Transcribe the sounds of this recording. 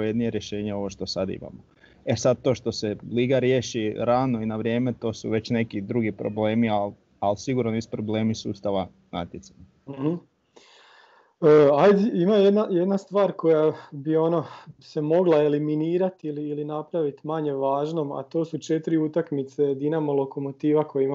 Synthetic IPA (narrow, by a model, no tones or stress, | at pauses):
jed̪nijeɾje̞ʃe̞ːɲeo̞ʋo̞ʃt̪o̞sad̪ḭma̰mo | e̞sad̪̚t̪o̞ːʃt̪o̞seliːɡaɾje̞ʃiɾanoinaʋɾje̞ːme̞t̪o̞ːsuʋe̞t͡ɕne̞kid̪ɾuɡipɾo̰ble̞ːmial | alsiɡuɾnonisu̥pɾoble̞ːmisuːst̪aʋa | na̰t̪jet̪saɲa | m̩hm̩ | əːajd̪ɛimajed̪najed̪nast̪ʋaːɾko̞jabio̞no̞semo̞ɡlˠaeliminiːɾat̪iliːlinapɾaʋit̪maɲe̞ʋaːʒno̞ma̰t̪o̞ːsut͡ʃe̞t̪ɾiut̪akmit̪se̞d̪inamolo̞komot̪iːʋakojima